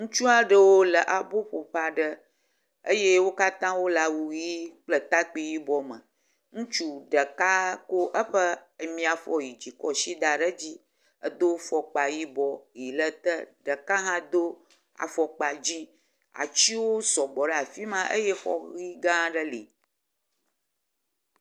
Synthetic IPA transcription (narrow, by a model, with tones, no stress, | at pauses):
ŋũ˦t͡ʃu˦a˨ɖə˦wo˦lə˨ʔa˨bo˦ɸo˨ɸa˨ɖə˦ | ə˦je˦wo˦ka˦t̪ã˦wo˦la˨wu˨ji˦k͡plə˦t̪a˦k͡pi˦ji˦bɔ˦mə̃˨ | ŋũ˦t͡ʃu˦ɖə˨ka˦ko˦ʔə˦ɸə˦ə˨mĩ˦a˨fɔ˦ji˨d͡ʑi˨kɔ˦ʃi˦d̪a˨ɖə˦d͡ʑi˦ | ə˨d̪o˦fɔ˨k͡pa˨ji˦bɔ˨ji˨lə˦t̪ə˦ɖə˨ka˦ɦã˦d̪o˦ | a̰˨fɔ˨k͡pa˨d͡ʑi˦ | a̰˨t͡ɕi˦wo˦sɔ˨bɔ˨ɖə˦a˨fi˦mã˦ʔə̰˦je˦xɔ̰˦ɣi˦ɡã˦ɖə˦li˨